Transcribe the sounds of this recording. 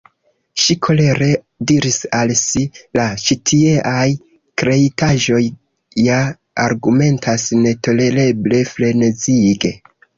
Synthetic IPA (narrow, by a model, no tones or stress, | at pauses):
ʃikʰo̞le̞ɾe̞ | diɾisalsilat͡ʃitʰie̞ʔaj | kɾe̞itaʒo̞j | jaː | ɾɡume̞ntʰasne̞to̞le̞ɾe̞ble̞fle̞ne̞ziɡe̞